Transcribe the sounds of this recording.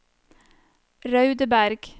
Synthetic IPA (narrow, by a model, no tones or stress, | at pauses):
ɾɑʉd̪əbæɾɡ̥